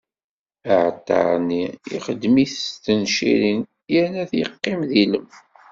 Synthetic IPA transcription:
əʕt̪ːɑ̰ɾˤniiχəd̪miθt̪ənʃḭɾin | jænæθjəqːɪmðiləm

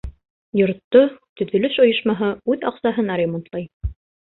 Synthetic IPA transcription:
jŏɾt̪ːot̪ɵ̆ðɵ̆lɘʃŏjɤ̆ʃmɑɦɤʉðɑqsɑɦɤnɑɾʲemont̪lˠɑj

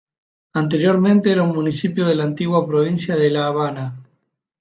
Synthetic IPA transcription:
ant̪̬eɾjo̞ɾmẽnt̪eeɾaunmunisipjoðelaːnt̪iɣwapɾoβ̞insjaðelaːβana

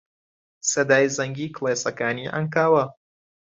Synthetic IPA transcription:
sɐd̪aːjzɐŋɡiːklˠeːsɐkaːniːʔɐ̰ŋkaːwɐ

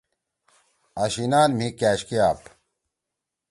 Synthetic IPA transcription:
ɐɕinaːnm̤ĩkaːɕkiaːp

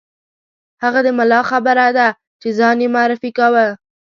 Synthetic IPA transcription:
haɣad̪əmalɑxabəɾad̪a | t͡ʃezɑnjemʊɑɾɪfikawə

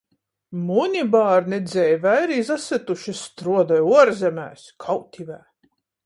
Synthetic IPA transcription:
munʲibaːɾnɛd̪zʲɛjvæjɾiːzasɛt̪uʃist̪ɾuɔd̪ajuɔɾzʲɛmʲæ̰ːskʰawt̪ʲʰivæː

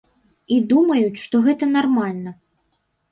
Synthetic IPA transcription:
id̪umɐjut͡sʲʂt̪ɔɣɛt̪ɐn̪armalʲnɐ

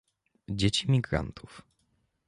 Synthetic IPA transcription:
d͡ʑet͡ɕimʲiɡɾa̰nt̪ʰuf

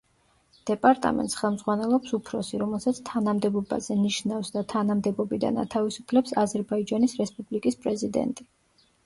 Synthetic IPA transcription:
d̪̥ɛpʼaɾt̪ʼa̰mɛ̰nt̪ʼsχɛlˠmd̪zʁwanɛlˠɔpsupʰɾɔsiɾɔmɛlˠsat̪sʰt̪ʰanamd̪ɛbɔba̰zɛniʃnafsd̪at̪ʰanamd̪ɛbɔbid̪a̰na̰t̪ʰavisupʰlɛpsazɛɾbaid͡ʒanisɾɛspʼublikʼispʼɾɛzid̪ɛ̰nt̪ʼi

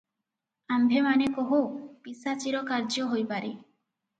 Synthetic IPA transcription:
ambʱemanekoɦopisat͡ʃiɾɔkaɾd͡ʒoɦojpaɾi

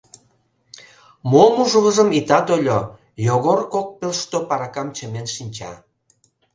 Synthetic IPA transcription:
momuʒəɣəʒəmit̪ɑt̪olʲo | joɣorkok̚pølʃt̪opɑɾɑkɑmt͡ɕəmenʃinʲt͡ɕɑ̰

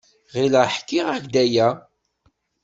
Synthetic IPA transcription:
ʁiləħkːiʁæʝd̪æjæ

